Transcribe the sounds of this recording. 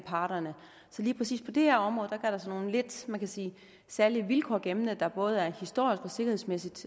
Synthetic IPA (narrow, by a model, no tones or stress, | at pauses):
pʰɑ̈ːd̥ɐnə | sɒ̽liːpʰʁɛsḭːspʰɒ̽d̥e̝hæɐɒ̽mʁɔ̽ːðˠd̥ɑɡ̥iɐɾ̥ɑ̈sɒ̽no̝ːn̩le̝d̥mænkʰæsiː | sæɐliʋilkʰɒːɡ̥emnəd̥ɑ̈b̥ɔ̽ːð̞̩ˠæɐhisd̥o̝̰ɐ̰isɡ̥ɒ̽se̝ɡ̥ɐhe̝̰smesid̥